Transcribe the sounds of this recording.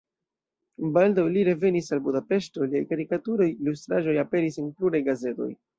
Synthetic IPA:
baldawliɾe̞ve̞nisalbudape̞ʃto̞lia̰jkaɾikatuɾo̞jilus̬tɾaʒo̞jape̞ɾisenpluɾajɡaze̞to̞̰j

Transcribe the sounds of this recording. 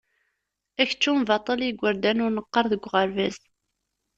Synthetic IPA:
æçə̥t͡ʃːumvɑt̪ˤːɑliɡʷːəɾd̪ænʊɾnəqːəɾˤðəɡʷːʁəɾvæz

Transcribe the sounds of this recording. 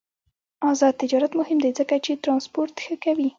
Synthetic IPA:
ɑzɑd̪̚t̪ɪd͡ʒɑɾat̪mʊhɪmd̪ezəkat͡ʃet̪ɾɑnspoɾt̪xəkawi

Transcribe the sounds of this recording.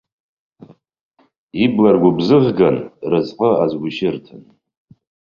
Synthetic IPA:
iblarɡʷʊbzɨʁɡanrɨzħəazɡʷʊʃɪrtʰɨn

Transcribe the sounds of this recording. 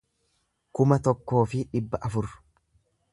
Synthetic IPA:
kʊmɐt̪ɔkːo̞ːfɪᶑɪbːɐʔɐfʊɾ

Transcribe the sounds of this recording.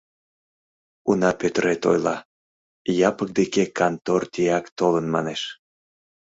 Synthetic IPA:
unɑpøt̪əɾet̪o̰jlɑ | jɑpək̚d̪ekekɑnt̪ort̪ʲiɑkt̪olənmɑneʃ

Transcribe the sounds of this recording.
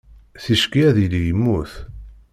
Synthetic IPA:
θiʃkiæðilijəmːuθ

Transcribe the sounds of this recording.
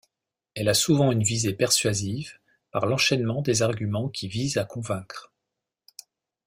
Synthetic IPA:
ɛlasuvɑ̃ynvizepɛʁsɥaziv | paʁlɑ̃ʃɛnmɑ̃d̪ezaʁɡʲymɑ̃kʲʰivizakɔ̃vɛ̃kχ

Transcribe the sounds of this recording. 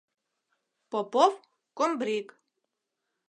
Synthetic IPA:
popof | kombɾik

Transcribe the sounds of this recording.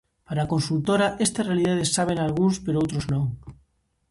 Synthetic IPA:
paɾaːkõnsult̪oɾaʔest̪arealið̞að̞esaβ̞enalɣunspeɾoowt̪ɾoznõŋ

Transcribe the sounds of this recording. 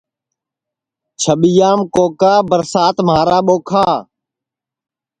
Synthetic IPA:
t͡ʃʰəɓijaːmkoːkaːbəɾsaːt̪maːɾaːɓoːkʰaː

